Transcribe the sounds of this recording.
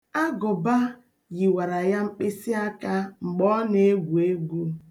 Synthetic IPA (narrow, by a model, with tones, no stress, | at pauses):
a˦ɡʊ˨ba˦ | ɣi˨wa˨ɾa˨ja˦ŋ͡m̩˦k͡pe˦si˦a˦ka˦ŋ͡m̩˨ɡ͡bɔ˦ne˦ɡʷu˨e˦ɡʷu˦